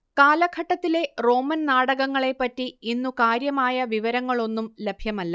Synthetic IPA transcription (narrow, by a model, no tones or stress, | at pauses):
kaːlɐɡʰʱɐʈːɐt̪ːile̞ro̞ːmɐnnaːɽɐɣɐŋːɐɭe̞pːɐtːiinːukaːɾjɐmaːjɐʋiʋɐɾɐŋːɐɭo̞nːumle̞bʱjɐmɐlːɐ